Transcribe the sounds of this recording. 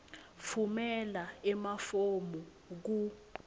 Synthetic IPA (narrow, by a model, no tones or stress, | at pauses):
fumɛlaɛmafomɔ | k̬u